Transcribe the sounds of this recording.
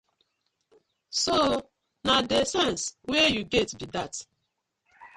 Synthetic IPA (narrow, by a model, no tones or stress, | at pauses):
so | nadesɛ̃nswejuɡɛtbidat